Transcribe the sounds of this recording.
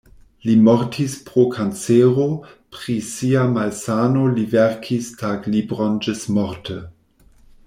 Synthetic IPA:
limoɾtʰispɾokʰant͡seɾo | pɾisiamalsanolivɛɾkʰistʰaɡlibɾond͡ʒəsmɔɾtʰə

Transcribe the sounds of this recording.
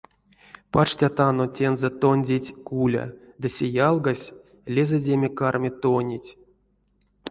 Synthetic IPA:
pat͡ʃtʲat̪anotʲenzɛt̪onʲdʲetʲkulʲa̰d̪ɨsʲejalˠɡasʲ | lʲezedʲemʲekarmʲet̪onʲitʲ

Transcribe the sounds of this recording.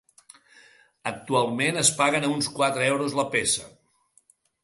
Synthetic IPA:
ək̚t̪ualˠmenəspaɣənunskwat̪ɾəɛwɾuzləpesə

